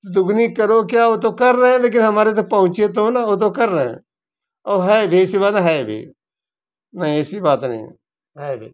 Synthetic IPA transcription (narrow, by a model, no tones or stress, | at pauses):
d̪ʊɡniːkəɾoːkjaːoːt̪̬õːkəɾːəɦẽːleːk̬ɪnɦəmaːɾet̪opəɦʊ̃t͡ʃet̪õːnaːoːt̪õːkəɾːəɦḛ̃ː | ɔːɦɛbʱisibaːt̪ɦɛebʱḭː | nəĩɛsiːbaːt̪nə̰ḭ̃ | ɦɛːbʱḭː